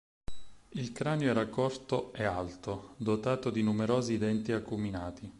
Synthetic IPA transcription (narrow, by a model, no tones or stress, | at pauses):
ilkɾaːnjoɛːɾakɔrt̪oɛalt̪od̪ot̪aːt̪od̪inumeɾoːzid̪ɛnt̪iakːuminaːt̪i